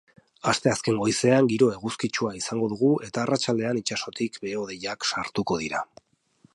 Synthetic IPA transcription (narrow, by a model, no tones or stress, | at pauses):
ast̪e̞aske̞ŋɡo̞jse̞aŋɡiɾo̞e̞ɣuskit͡ʃuaisaŋɡo̞ð̞uɣ̞uʔe̞t̪aːrat͡ʃald̪e̞anit͡ʃaso̞t̪ikbeo̞ðejaksaɾt̪uko̞ðiɾa